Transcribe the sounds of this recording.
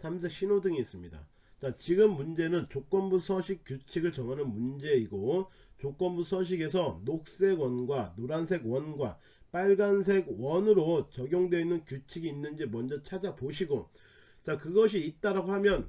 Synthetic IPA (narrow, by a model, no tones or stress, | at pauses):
sʰamsʰek̚ɕʰinodɯŋiːs͈ɯmɲida̰ | t͡ɕat͡ɕiɡɯmːund͡ʑe̞nɯnt͡ɕok͈ʌnbusʰʌɕʰik͈jut͡ɕʰiɡɯɭt͡ɕʌŋɦanɯnmund͡ʑe̞iɡo | t͡ɕok͈ʌnbusʰʌɕ̬ʰiɡe̞s̬ʰʌnok̚s͈e̞ɡwʌnɡwanoɾansʰe̞ɡwʌnɡwa̰ | p͈aɭɡans̬ʰe̞ɡwʌnɯɾot͡ɕʌɡjoŋdwe̞inːɯnkjut͡ɕʰiɡiːnːɯnd͡ʑimʌnd͡ʑʌt͡ɕʰad͡ʑapoɕʰiɡo | t͡ɕakɯɡʌɕ̬ʰiːt̚t͈aɾaɡohamjʌn